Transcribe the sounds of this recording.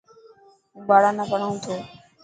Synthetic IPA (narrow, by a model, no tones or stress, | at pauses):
ũbaːɽanapəɳ̃aũt̪ʰoː